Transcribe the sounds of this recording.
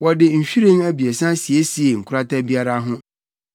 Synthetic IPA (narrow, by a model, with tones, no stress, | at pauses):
wɔ˨dɪ˨ɲ̩˨ɕᶣi˦ɾĩ˦ŋæ˦bi˨e˨sã˦si˨e˦si˨e˨ŋ̩˨kʰʊ˦ɾa˦ta˦bi˦a˦ɾa˦ɦʊ̃˦